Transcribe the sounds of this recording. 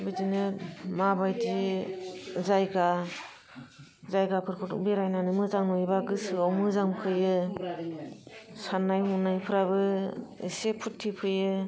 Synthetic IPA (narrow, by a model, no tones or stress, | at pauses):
bidinɯmabajdi | zajɡa | zajɡapʰɯɾpʰɯtbeɾajnanɯmɯzaŋnɔibaɡɯsɯɔwmɯzaŋkʰɯjɯ | sanajmunajpʰɯɾabɯḛsepʰutʰːipʰɯjɯ